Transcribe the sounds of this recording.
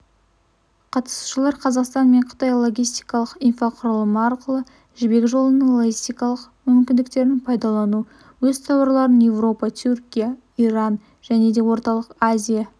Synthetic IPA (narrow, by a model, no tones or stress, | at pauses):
qʰɑt̪ə̥su̥ʃəlˠɑɾqʰɑzɑqst̪ɑnme̞ɴqʰə̥t̪ɑjlˠo̞ɡʲijst̪ijkɑlˠəqijnfaqʰʊɾəlˠəməɑɾqəlˠə | ʒɪbe̞kʲʒo̞lˠənəŋlˠoɡʲist̪ijkɑlˠəq | mʏmkʲɪnd̪ɪk̚t̪e̞ɾnɪŋpʰɑjd̪ɑlˠɑnu | wɵzt̪ʰɑwɑɾlˠɑɾənje̞vro̞pɑt̪ʲʰʏɾkʲija | iɾɑn | ʒ̥æne̞d̪e̞wo̞ɾt̪ɑlˠəqazʲija